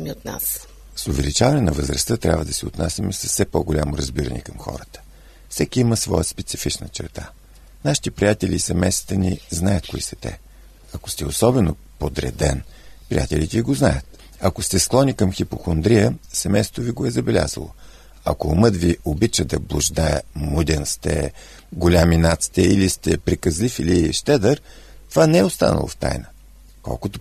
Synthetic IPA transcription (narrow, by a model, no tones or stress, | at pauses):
miot̪̚na̰s | sʊvɛlit͡ʃavɐnɛnɐvəzɾəst̪ət̪ɾʲa̰vəd̪ɐsɛot̪nasʲimɛsəsɛpɔɡolʲamoɾɐzbiɾə̰nɛ̰kəmxɔ̰ɾət̪ə̥ | fsɛkiiməsvɔjəspɛt̪sifit͡ʃnət͡ʃɛ̰ɾt̪a̰ | naʃi̥t̪ipɾijat̪ɛlʲiːsɛmɛjst̪ə̥t̪əniznajət̪̚koisɐt̪ɛ̰ | ɐko̥st̪ɛosɔbɛno | pod̪ɾɛ̰d̪ɛ̰npɾḭja̰t̪ɛlit̪ɛiɡoznajət̪ | ɐkost̪ɛsklˠɔnikəmxipoxond̪ɾijəsɛmɛjsot̪oviɡoɛzəbɛlʲa̰zə̰lˠo̰ | ɐ̰komɤd̪viobit͡ʃəd̪ɐblˠoʒd̪aɛ̰mud̪ʲɛnst̪ɛ̰ | ɡolʲaminat̪si̥t̪ɛilist̪ɛpɾikəzlifiliʃt̪ɛd̪əɾ | t̪ovanɛɛost̪a̰nə̰lˠo̰ft̪a̰jnə | kɔ̰lˠkot̪o